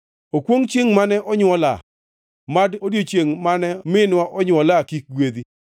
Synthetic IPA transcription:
okwoŋt͡ʃjeŋmanɛʔɔɲwɔla̰ | madodjot͡ʃjeŋmanɛmɪnwaʔɔɲwɔlakik̚ɡwed̪i

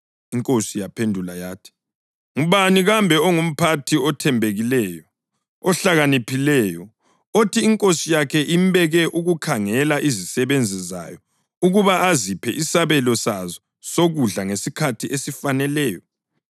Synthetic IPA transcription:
iŋkʼosijapʰendʱulajaːtʰi̥ | ŋuβaniɣambʱɛɔŋum̩pʰatʰiɔtʰɛmbʱeɣilɛjɔ | ɔɬaɣanipʰilɛjɔ | otʰiːŋkʼosijakʰɛʔimbɛɣɛʔuɣukʰaŋɛlaʔizisɛβend͡zʱiza̰jɔ | uɣuβaazipʰɛ̰ʔisaβɛlɔsazɔ | soɣuɮaŋesikʰatʰiʔesifanɛlɛːjɔ

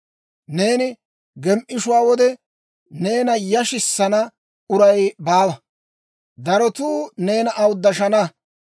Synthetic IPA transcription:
ne̞ːnɪ | ɡɛmʔɪʃʊwaːwɔd̪ɛ | ne̞ːnɐjɐʃɪsːɐnɐ | ʊɾɐjbaːwɐ | d̪ɐɾɔt̪uːne̞ːnɐʔɐwʊd̪ːɐʃɐnɐ

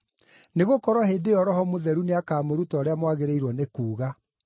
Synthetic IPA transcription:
neɣokɔɾwɔɦeːdeɔɾɔɦɔmoðɛɾuneakaːmoɾutɔːɾeamwaɣeɾeiɾwɔnekuːɣa

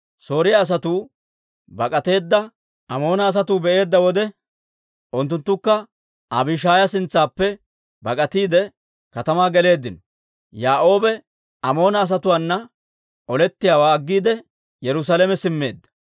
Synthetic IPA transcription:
so̞ːɾɪjaːs̬ɐt̪uː | bɐkʼɐt̪e̞ːd̪ːɐ | ɐmo̞ːnɐːs̬ɐt̪uːbɛʔe̞ːd̪ːɐwɔd̪ɛ | ʔʊnt̪̬ːʊnt̪ːʊkːɐ | ʔɐ̰bɪʃaːjɐsɪnt͡sːaːpːɛ | bɐkʼɐt̪iːd̪ɛ | kɐt̪ɐmaːɡɛle̞ːd̪ːɪnɔ | jaːʔo̞ːbɛ | ɐmo̞ːnɐːs̬ɐt̪ʊwaːnːɐ | ʔɔlɛt̪ːɪjaːwaːɡːiːd̪ɛ | jɛɾʊs̬aːlɛmɛsɪmːe̞̰ːd̪ːɐ̥

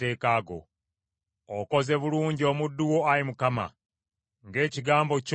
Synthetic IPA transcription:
eːkaːɡo̞̰ | ko̞ze̞βuluːɲɟio̞ːmudːuwo̞ajimukama̰ | ŋɡe̞ːciɡaːmbo̞c

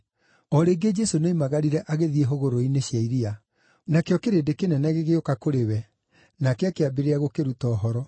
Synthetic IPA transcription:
ɔɾeːɡed͡ʒɛsoneimaɣaɾiɾɛʔaɣeðieɦoɣoɾoineɕjaiɾia | nakeɔkeɾedekenɛnɛɣeɣeokakoɾewɛ | nakeakeabeɾeaɣokeɾutɔːɦɔɾɔ

